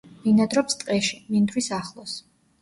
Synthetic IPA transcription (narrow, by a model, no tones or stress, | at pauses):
minad̪ɾɔpst̪ʼqʼɛʃi̥mind̪ɾwisaχlˠɔs